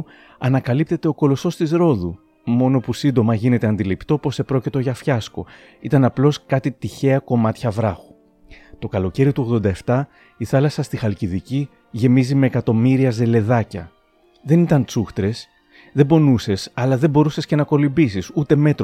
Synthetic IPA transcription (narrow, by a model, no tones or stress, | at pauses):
ɐnɐkɐlip̚t̪e̞t̪e̞o̞ko̞lo̞sθo̞st̪izɾo̞ðu | mo̞no̞pusind̪o̞mɐʝine̞t̪e̞ɐnd̪ilipt̪o̞po̞se̞pɾo̞cit̪o̞ʝɐfçɐsko̞ | it̪ɐnɐplo̞skɐt̪it̪içe̞ɐko̞mɐt̪çɐvɾɐxu̥ | t̪o̞kɐlo̞ce̞ɾiot̪uo̞ɣðo̞nd̪ɐe̞ft̪ɐ | iθɐlɐsɐst̪ixɐlciðici | ʝe̞mizime̞ːkɐt̪o̞miɾiɐze̞le̞ðɐcɐ | ðe̞nit̪ɐnt͡suxt̪ɾe̞s | ðebo̞nuse̞sɐlɐðe̞bo̞ɾuse̞sce̞nɐko̞limbisisut̪e̞me̞t̪ɾ